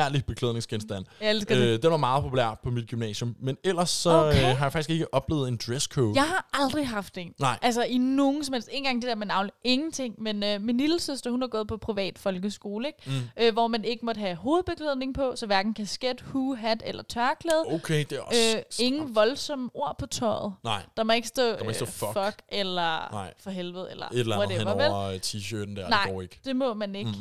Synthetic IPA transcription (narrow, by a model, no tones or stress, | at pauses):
æɐ̰lib̥e̝kʰleðˠne̝ŋsɡ̥ensd̥æn̰elsɡ̥d̥enʋɑ̈mɑ̈ːð̞̩ˠpʰo̝pʰulæ̰ɐ̰pʰɒ̽mid̥̚ɡ̥ymnɛ̰ːsjɔ̽mːenel̰ɐsːɒ̽øfɦɑjfɑ̈ɡ̥isɡ̥e̝ɡ̥əʔɒ̽b̥lḛːð̩ˠe̝nd̥ʁeskʰoːjɑ̈ɪhɑ̈ʔɑ̈ld̥ʁiɦɑ̈fd̥ḛnnɪ̰ʔælsɐʔino̝ːn̩sɒ̽mhel̰sd̥e̝̰ːn̩ɡɑ̈ŋd̥e̝d̥ɛæɐmenɑ̈ʊnliʔe̝ŋn̩t͡sʰe̝ŋ̰menøminlil̩søsd̥ɐhunhɑ̈ɡ̥ɔ̽ːð̩ˠpʰɒ̽pʰʁiʋɛ̰ːd̥fɒ̽lɡ̥əsɡ̥o̝ːləeɡ̥øʋɒmæne̝ɡ̥əmɒd̥ɦæɦo̝ːð̞̩ˠb̥eɡ̥ʰleðˠne̝ŋpʰɒ̽sɒ̽ʋæɐɡ̥n̩kʰæsɡ̥ed̥huːɦæd̥elɐt͡sʰɶɐkʰleːð̞ˠokʰed̥eøe̝ŋn̩ʋɒ̽lsɒ̽mo̝ɐ̰pʰɒ̽t͡sʰɒɪð̩ˠnɑɪ̰d̥ɑ̈mɒ̽e̝ɡ̥sd̥ɔ̰̽ːesɔffɒɡ̥elɐɪ̰fɒ̽ɦelʋð̩ˠelɐ̰lɒd̥eʋɑʋelt͡sʰiːɕødn̩d̥æɐ̰nɑ̈ɪ̰eɡ̥d̥e̝mɔ̽mæne̝ɡ̥